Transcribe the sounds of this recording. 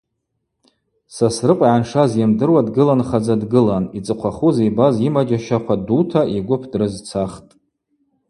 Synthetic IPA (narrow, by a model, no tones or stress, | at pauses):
sasrɨqʷʼʕanʂazjamdɨrwadɡɨlanχad͡zadɡɨlanit͡sʼɨqʷʰaχuzejbazimad͡ʒaʃaqʷʰadutʰaʔiɡʷʊpʰdrɨzt͡sʰaχtʼ